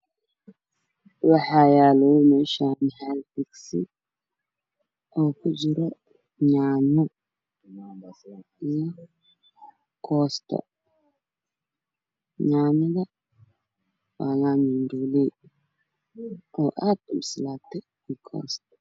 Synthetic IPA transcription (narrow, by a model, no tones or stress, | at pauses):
wɑħaːjaːlɔmɛːʃaːmħalfɪɡsɪ̰ | ʔɔːkʰʊd͡ʒɪɾɔ | ɲaːnɔ | ijɔ | kʰɔːst̪ʰɔ̰ | ɲaːnɐðɐ | waːnaːninduːlɛː | ʔɔːʔaːd̪ʊmslaːt̪ʰɛ | ikʰɔ̰ːst̪